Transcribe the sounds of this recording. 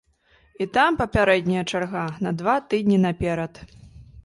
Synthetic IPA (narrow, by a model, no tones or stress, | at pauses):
it̪ampɐpʲaɾɛd̪ʲnʲijɐt͡ʂarɣanɐd̪vat̪ɨd̪ʲnʲinapʲɛɾɐt̪